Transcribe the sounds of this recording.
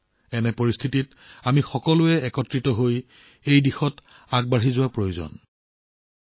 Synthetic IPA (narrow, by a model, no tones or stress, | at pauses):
ɛnɛpoɹist̪ʰitit | amixɔkɔlʊɛɛkɔtɹitɔɦoj | ejdixɔt | aɡ̚baɦizʊwapɹojozɔ̰n